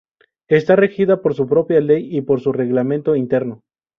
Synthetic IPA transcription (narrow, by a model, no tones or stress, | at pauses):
e̞st̪arexiðapo̞ɾs̬upɾo̞pjale̞jipo̞ɾsure̞ɣlamẽnt̪o̞int̪e̞ɾno̞